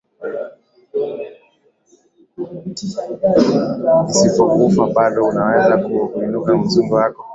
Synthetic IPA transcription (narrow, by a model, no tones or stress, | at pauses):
isipɔkuufaɓaɗɔunawɛzakuinukam̩zumbajakɔ